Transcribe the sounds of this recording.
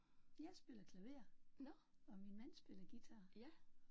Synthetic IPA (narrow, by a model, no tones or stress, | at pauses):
jɑ̈ɪsb̥e̝lɐkʰlæʋe̝̰ːɐ | ɒ̽minmæn̰sb̥e̝lɐɡ̥it͡sʰɑ̈ː